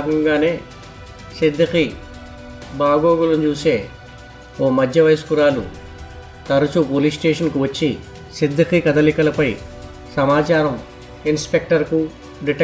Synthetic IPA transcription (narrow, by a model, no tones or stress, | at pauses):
ɡɐŋɡaːne̞ː | sid̪ʱːɐki | baːɡoːɡulɐmt͡ʃuːse̞ː | oːmɐd̪ʱjɐʋɐjskuɾaːlṵ | t̪ɐɾɐt͡ʃupoːlisʈeːʂɐnkuʋɐt͡ʃːi | sid̪ʱːɐkikɐt̪ɐlikɐlɐpɐj | sɐmaːt͡ʃaːɾɐm | inspek̚ʈɐɾku | ɖiʈ